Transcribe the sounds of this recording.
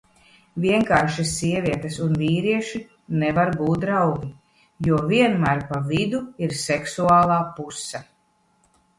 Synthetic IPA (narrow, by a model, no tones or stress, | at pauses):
vʲiɛŋkaːɾʃisːiɛviɛt̪esunviːɾiɛʃi | nɛvaɾbuːt̪̚d̪ɾawɡʲi | juɔviɛnmæɾpavid̪uiɾsɛksuaːlˠaːpusːa